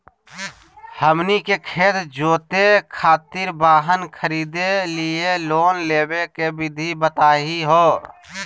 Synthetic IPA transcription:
həmnikekʰeːt̪d͡ʒoːt̪ekʰaːt̪ɪɾbaːɦənkʰəɾiːd̪elieloːnleːbekebɪd̪ʱibət̪aːɦiɦoː

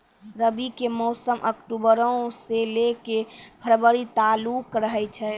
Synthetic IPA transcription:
ɾəbikemɔsəmʔəkʈubəɾə̃oselekebʰʱəɾbəɾit̪alukɾəɦɛt͡ʃʰɛ

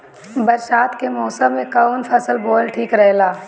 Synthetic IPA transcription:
bɐɾʃaːt̪kemɔːsəmmẽkanpʰɐsəlboːlʈʰiːkɾɐɦlaː

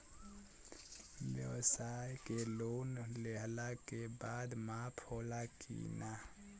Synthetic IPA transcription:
wjəʋsajkeloːnleɦlakebaːd̪mapʰoːlakḭna

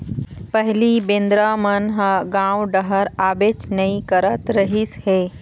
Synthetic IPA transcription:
pəɦlibẽnd̪ɾamənɦəɡãːwɖəɦəɾaːbeːt͡ʃnɐĩkəɾət̪ɾəɦɪsheː

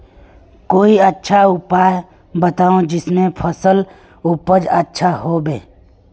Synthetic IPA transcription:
koːiətːʃʰaʊpaːe | bət̪aːõd͡ʒɪsmẽpʰəsəl | ʊpəd͡ʒətːʃʰaɦoːbeː

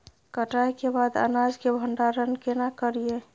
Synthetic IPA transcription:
kəʈajkebad̪ə̰nad͡ʒkebʱəɳɖaɾənkenakəɾie

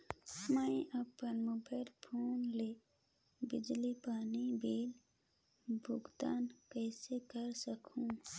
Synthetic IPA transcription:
mə̃ɪʔəpənmʊbəɪlpʰoːnle | bɪd͡ʒlipaːnibeːl | bʱʊɡt̪aːnkəːsekəɾsəkʰũ

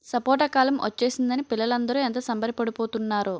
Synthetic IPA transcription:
sɐpɔːʈɐkaːlɐmʔɐ̰t͡ʃːe̞ːsind̪ɐnipilːɐlɐnd̪ɐɾuɛnt̪ɐsɐmbɐɾipɐɽipoːt̪unːaːɾu

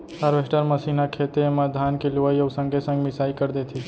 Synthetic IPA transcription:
əɾʋesʈəɾməsinakʰet̪emãd̪ʱankeluʋəjəwsə̃ŋɡesə̃ŋɡmisaːikəɾd̪et̪ʰi

